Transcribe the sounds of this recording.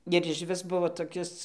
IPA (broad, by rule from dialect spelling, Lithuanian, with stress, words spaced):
ɪr ɪʃʲˈʋʲɪs ˈbʊʋoː toːˈkʲɪs